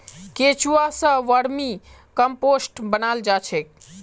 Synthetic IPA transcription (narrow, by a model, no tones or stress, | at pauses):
ket͡ʃuasə̃ʋəɽmĩ | kəmposʈbənald͡ʒat͡ʃʰek̚